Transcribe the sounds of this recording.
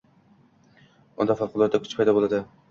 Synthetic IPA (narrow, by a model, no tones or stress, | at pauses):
ʊnd̪ɑfɑqʊlˠɒt̪ːakʲʰʊ̥t͡ʃpʰɑjd̪ɒbolˠad̪ɪ